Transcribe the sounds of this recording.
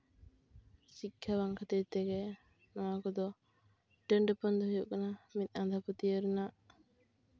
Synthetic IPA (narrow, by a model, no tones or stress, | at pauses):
sikʰːabaŋkʰat̪iɾt̪ɛɡɛ | nɔwakɔd̪ɔ | ʈəɳɖəpɔnd̪ɔɦujuʔkanamit̪̚ˀand̪ʱaput̪ijəɾɛnaʔ